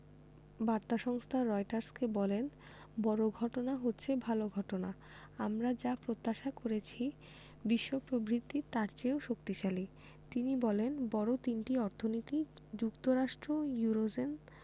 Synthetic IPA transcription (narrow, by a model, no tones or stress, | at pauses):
baɾt̪aʃɔŋst̪ʰaɾɔjʈaɾskebɔlen | bɔɾoɡʱɔʈonaɦotːɕʰebʱaloɡʱɔʈona | amɾad͡ʑapɾot̪ːaʃakoɾet͡ɕʰi | biʃːopɾobɾit̪ːit̪aɾt͡ɕeoʃokt̪iʃali | t̪inibɔlenbɔɾot̪inʈiɔɾt̪ʰonit̪i | d͡ʑukt̪oɾaʃʈɾojuɾod͡ʑen